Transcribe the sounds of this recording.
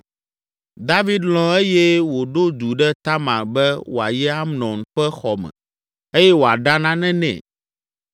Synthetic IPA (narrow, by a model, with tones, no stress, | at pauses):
d̪a˦vi˦d̪lɔ̃˦e˦jɛ˦wo˨ɖo˦d̪u˨ɖɛ˦t̪a˦mã̰˨bɛ˦wo˨a̰˨jɛ˦a˦mnɔ̃˨n˨ɸɛ˦xɔ˨mɛ̰̃˨ | e˦jɛ˦wo˨a˨ɖa˦nã˦nɛ̃˦nɛ̰̃˨